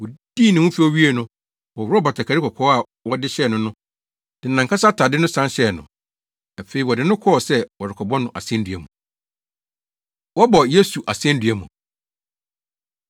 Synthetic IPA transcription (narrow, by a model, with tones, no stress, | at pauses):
wɔ˨d̥iː˦˨nɪ̃˨wʊ̃˦fi˦o˦ɥi˦e˦˨nʊ̃˦ | wɔ˨wɔ˦ba˨tʰa˨kʰa˨ɾi˦kʰɔ˨kʰɔ˦a˨ | wɔ˦dɪ˦ɕɛ˦˨nʊ̃˦nʊ̃˦ | d̥ɪ˨nã˨ŋkʰa˦sa˦tʰa˨dɪ˦nʊ̃˦sã˦nɕɛ˦˨nʊ̰̃˨ | a˨fe˨˦i˨wɔ˨dɪ˨˦nʊ̃˦kʰɔ˦˨sɛ˦wɔ˨dɪ˨kʰɔ˨bɔ̃˦nʊ̃˦˨ʔa̰˨sɛ̃˦n˦dɥæ˨mũ˨ | wɔ˦bɔ˨je˦su˨ʔa˨sɛ̃˦n˦dɥæ˦mũ˨